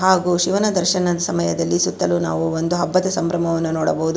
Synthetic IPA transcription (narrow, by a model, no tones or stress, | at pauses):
ɦaːɡuːʃiʋɐnɐd̪ɐɾʃɐnɐd̪ɐsɐmɐjɐd̪ɐlːisut̪ːɐlunaːʋuond̪uɦɐbːɐt̪ɐsɐmbɾɐmɐʋɐnːunɔːɽɐbɐɦud̪u